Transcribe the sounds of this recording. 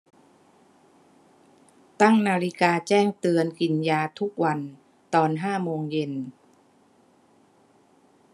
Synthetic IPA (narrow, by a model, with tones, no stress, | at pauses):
t̪a˥˩ŋnaː˧ɾi˦˥kaː˧t͡ɕɛː˥˩ŋt̪ɯ˧ənki˨˩njaː˧t̪ʰu˦˥k̚wa˧n | t̪ɔː˧nɦaː˥˩moː˧ŋje˧n